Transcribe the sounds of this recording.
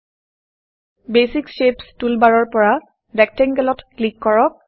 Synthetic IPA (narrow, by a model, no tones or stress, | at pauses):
besikʃepstulbaɹɔɹpɔɹa | dɛk̚tɛŋɡɛlɔtklikːɔɹɔk̚